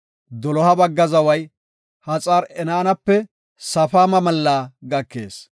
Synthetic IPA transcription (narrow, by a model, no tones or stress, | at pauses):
d̪ɔlɔhɐbɐɡːɐzɐwɐj | hɐt͡sʼaːɾɛnaːnɐpːɛ | sɐfaːmɐmɐlːaːɡɐkːe̞̰ːs